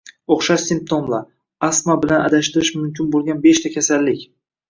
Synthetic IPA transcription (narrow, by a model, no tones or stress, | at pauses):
oχʃaʃsɪmp̚t̪ʰomla | asmabɪlana̰d̪aʃt̪ɪɾɪʃmʊmkʲʰɪnbolˠɡʲanbe̞ʃt̪ʰakʲʰasalːɪkʲ